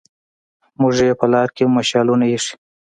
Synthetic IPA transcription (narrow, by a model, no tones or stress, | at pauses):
muʐjepəlɑɾkemaʃɑlunajeʂi̥